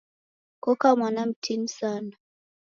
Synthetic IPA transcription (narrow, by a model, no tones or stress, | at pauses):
kɔkamanam̩tʰin̩saːna